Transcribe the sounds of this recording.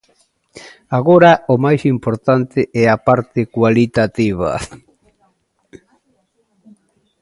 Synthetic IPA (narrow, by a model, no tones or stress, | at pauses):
aɣoɾaomajsimpoɾt̪ant̪ɪʔɛapaɾt̪ɪkwalit̪at̪iβ̞a̰